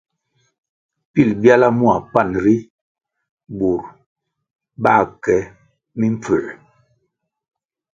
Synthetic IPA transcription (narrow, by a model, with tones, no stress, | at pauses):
pi˦˨lbja˦la˦mu˦a˨pa˦˨nɾi˦ | bu˨ɾ | ba˦˨kɛ˨˦ | mi˦m̩˦p͡fə˨